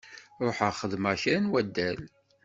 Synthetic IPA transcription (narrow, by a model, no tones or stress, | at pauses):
ɾˤoħəχəðməçæɾnwæd̪ːæl